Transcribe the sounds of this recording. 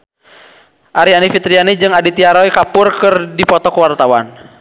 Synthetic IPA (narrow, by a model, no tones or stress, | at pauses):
ʔaɾianifit̪ɾianid͡ʒɨŋadit̪iaɾɔjkapʊrkɨrdipɔt̪ɔkuwart̪awan